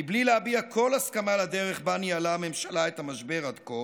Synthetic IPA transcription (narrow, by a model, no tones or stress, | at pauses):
iblileabiakʰo̞laskamalad̪eʁeχbanialame̞mʃalaet̪hamaʃbe̞ʁad̪ko